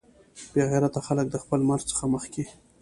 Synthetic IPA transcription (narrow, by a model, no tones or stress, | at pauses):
b̥eɣaɾat̪axalək̚d̪əxpəlmaɾzt͡sə̥xaməxki